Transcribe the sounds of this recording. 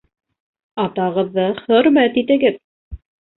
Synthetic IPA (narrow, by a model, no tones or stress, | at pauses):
ɑt̪ɑʁɤ̆ðːɤχɵ̆ɾmæt̪it̪ɘ̆ɡɘð